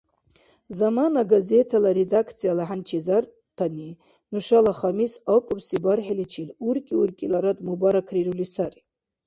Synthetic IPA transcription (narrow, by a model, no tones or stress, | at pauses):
zamanaɡaze̞tʰalaɾedakʰt͡sʰijalaħant͡ʃʰizar | tʰani | nuʂalaχamisakʷʼʊpsibarħalit͡ʃʰilurkʲʼiurkʼilaɾatʼmubaɾakʰrirulisar